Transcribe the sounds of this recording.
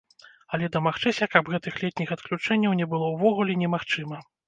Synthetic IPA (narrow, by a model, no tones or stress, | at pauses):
ɐlʲɛd̪ɐmaxt͡ʂɨsʲɐkabɣɛt̪ɨxlʲɛt̪ʲnʲixɐt̪klʲut͡ʂɛnʲːɐwnʲɛbɨlˠɔwvɔɣulʲɛnʲɛmaxt͡ʂɨmɐ